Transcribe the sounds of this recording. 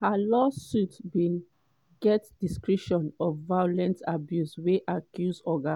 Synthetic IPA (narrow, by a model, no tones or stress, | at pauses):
halɔsutbĩn | ɡɛtd̥iskɹiʃɔ̃nɔfvajɔlɛ̃ntabjusweʔakʰjuzɔɡa